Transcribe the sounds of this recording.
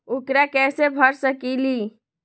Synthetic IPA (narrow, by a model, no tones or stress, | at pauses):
ukɾakɛsebʱəɾsəkili